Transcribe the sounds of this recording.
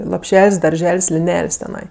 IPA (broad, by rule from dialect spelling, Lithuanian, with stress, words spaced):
lˠoːpʲˈʃʲɛlʲsʲ dɐrʲˈʒʲɛlʲsʲ lʲɪˈnʲɛlʲsʲ tʲɛˈnɐɪ